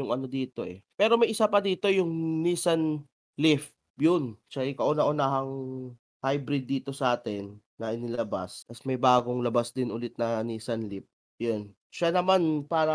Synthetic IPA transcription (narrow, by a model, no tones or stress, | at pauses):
jʊŋʔɐno̞d̪iːt̪o̞ʔɛ̰pɛːɾo̞mɐjʔɪsapɐd̪iːt̪o̞jʊŋniːsɐn | lɪf | jʊnʃaʔɪkɐʔʊnaʔʊnaːɦɐŋ | hajbɾɪd̪ːiːt̪o̞sɐʔaːt̪ɛnː | ɐʔɪnɪlɐba̰st̪ɐsmɐjbaːɡo̞ŋlɐbasd̪ɪnʔʊlɪt̪̚nɐniːsɐnlɪp̚ | jon | ʃanɐmanpaːɾɐ